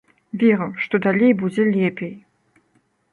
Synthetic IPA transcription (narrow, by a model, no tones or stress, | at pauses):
vʲeɾɨmʂt̪od̪alʲejbud͡zʲɛlʲepʲej